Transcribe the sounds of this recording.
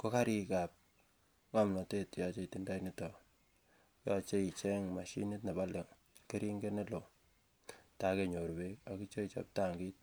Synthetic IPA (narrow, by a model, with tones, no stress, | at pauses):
ko˦ka˦ɾi˦ka˨p̚ | ŋa˦mnɔ˨te˦tja˨t͡ʃe˦i˨ti˨nda˦ini˦tɔ˨ | ja˦t͡ʃe˦i˨t͡ʃe˦ŋma˨ʃḭ˦ni˦tna˨ba˦le˨ŋ | ke˦ɾi˦ŋɡe˦ne˦lo˨ | ta˨ke˨ɲo˨ɾbe˦ka˨ki˦t͡ʃo˦it͡ʃa̰˨p̚ta˦ŋɡi˦t̚